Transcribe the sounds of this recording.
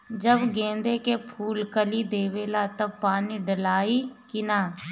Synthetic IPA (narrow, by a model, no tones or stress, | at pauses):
d͡ʒəbɡẽːnd̪ekepʰuːlkəlid̪eːʋeːlat̪ɐbpaːniɖəlaːikɪnaː